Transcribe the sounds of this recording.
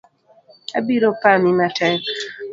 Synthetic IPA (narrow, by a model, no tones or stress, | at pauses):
a̰biɾopamimatʰɛk